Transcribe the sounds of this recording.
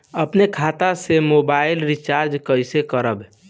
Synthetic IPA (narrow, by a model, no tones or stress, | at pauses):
əpnekʰat̪asemobaɪlɾit͡ʃaɾd͡ʒkəjsekəɾəbɛ